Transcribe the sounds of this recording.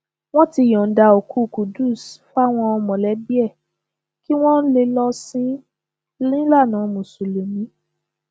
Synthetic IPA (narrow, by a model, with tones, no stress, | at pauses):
w̃ɔ̃˦ti˧jɔ̃˨n̩˨˦da˧o˨ku˨˦˨ku˨du˦˨sfa˦w̃ɔ̃˧ɔ˧mɔ̃˨lɛ˨˦bi˦ɛ˦˨ | ki˦w̃ɔ̃˦n̩˦le˧lɔ˧sĩ˦ | lĩ˦la˦˨nã˨˦mũ˨su˨le˨mĩ˨˦